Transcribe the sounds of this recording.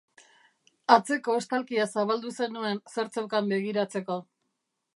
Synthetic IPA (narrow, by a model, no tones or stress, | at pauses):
at͡se̞ko̞est̪alkiasaβald̪use̞nue̞nse̞ɾt͡sawkambe̞ɣ̞iɾat͡se̞ko̞